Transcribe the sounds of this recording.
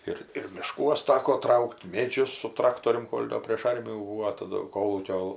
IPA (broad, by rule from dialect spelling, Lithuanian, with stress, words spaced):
ˈɪr ɪr mʲɪˈʃkuɔs ˈtɑːkoː ˈtrɐʊkʲtʲ ˈmʲeːd͡ʒʲʊs sʊ ˈtrɑːktoːrʲʊm ˈkoːlʲ ˈdoː pʲrʲeːʃ ˈɐrʲmʲɪjuː ˈbuːʋoː tɐˈdʊ ˈkoːlˠuːkʲoː